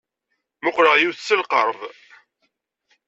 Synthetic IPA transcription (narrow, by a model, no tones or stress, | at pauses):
mʊqɾəʁjuθsːəlqəɾˤð